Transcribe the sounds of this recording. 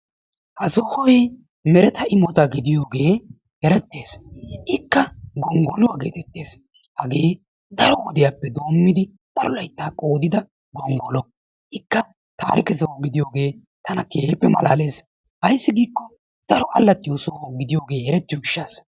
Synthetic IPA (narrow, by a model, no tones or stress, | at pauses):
hɐsɔhɔjɛ | mɛɾɛt̪ɐɪmɔt̪ɐɡɪd̪ɪjo̞ːɡe̞ː | hɛɾɛt̪ːeːsʔɪkːɐɡɔŋɡɔlʊwaːɡḛːt̪ɛt̪ːe̞ːs | hɐɡe̞ː | d̪ɐɾɔwɔd̪ɪjapːɛd̪o̞ːmːɪd̪ɪ | t̪ɐɾɔlɐjt̪ːaːkʼoːd̪ɪd̪ɐ | ɡɔŋɡɔlɔ | ʔɪkːɐ | t̪a̰ːɾɪkɛsɐwɡɪd̪ɪjo̞ːɡe̞ː | t̪ɐnɐke̞pːɛmɐ̰la̰ːle̞ːs | hɐjɪsːɪɡiːkːɔ | d̪̥ɐɾɔʔɐlːɐt̪ʼːɪjʊsowɡɪd̪ɪjoːɡe̞ːɛɾɛt̪ːɪjoɡɪʃːas